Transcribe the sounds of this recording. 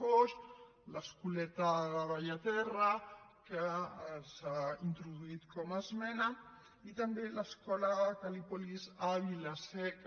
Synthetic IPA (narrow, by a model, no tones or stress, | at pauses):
oʃ | ləskulɛt̪aðaβaʎat̪ɛrakəsaint̪ɾuðuit̪kɔmazmɛna | it̪ambeləskɔlakalipolizaβilasɛk